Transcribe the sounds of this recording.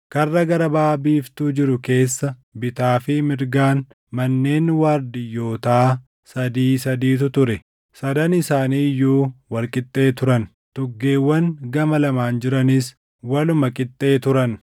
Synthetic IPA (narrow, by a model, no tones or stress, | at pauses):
kɐrːɐɡɐɾɐbaːbiːft̪uːd͡ʒɪɾʊke̞ːsːɐbɪt̪aːfɪmɪɾɡaːn | mɐnːe̞ːnwaːɾd̪ɪjːo̞ːt̪aː | sɐd̪iːsɐd̪iːt̪̬ʊt̪ʊɾɛ | sɐd̪ɐnɪsaːniːjːuːwɐlkʼɪt̪ʼːe̞ːt̪ʊɾɐn | t̪ʊɡːe̞ːwːɐnɡɐmɐlɐmaːnd͡ʒɪɾɐnɪs | wɐlʊmɐkʼɪt̪ʼːe̞ːt̪ʊɾɐn